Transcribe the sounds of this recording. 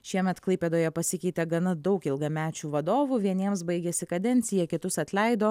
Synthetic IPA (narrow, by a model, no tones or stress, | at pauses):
ʃʲiɛmʲɛt̪klˠɐɪpʲed̪oːjɛpɐsʲɪkʲɛɪt̪ʲɛɡɐnɐd̪ɒʊkɪlˠɡɐmʲæːt͡ʃʲuːʋɐd̪oːʋuːʋʲiɛnʲiɛmsbɐɪɡʲɛsʲɪkɐd̪ʲɛnʲt̪sʲɪjɛkʲɪt̪ʊsɐt̪ʲlʲɛɪd̪oː